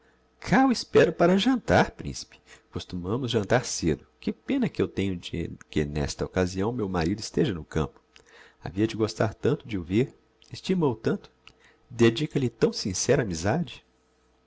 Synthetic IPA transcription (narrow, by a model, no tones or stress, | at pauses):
kʰawɪspɛɾʊpaɾɐʒɐ̃nt̪aɾpɾḭ̃si̥pɪ̥kost̪umɐ̃mʊzʒɐ̃nt̪aɾsed̪ʊkɪpẽnɐkɪewt̪ẽɲʊd͡ʒɪ̰kɪ̰nɛ̰st̪ɐokaziɐ̃w̃mewmaɾid̪ʊist̪eʒɐnʊkɐ̰̃pʊ̥ | a̰viɐd͡ʒɪɡost̪aɾt̪ɐ̃nt̪ʊd͡ʒɪʊveɾ | ɪst͡ʃimowt̪ɐ̃nt̪ʊ̥ | d̪ed͡ʒikɐlɪt̪ɐ̃w̃sĩsɛɾɐaːmizad͡ʒɪ